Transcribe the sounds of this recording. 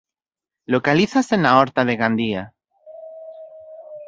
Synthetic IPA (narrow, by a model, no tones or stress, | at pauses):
lokaliθasenaoɾt̪aðe̞ɣand̪ia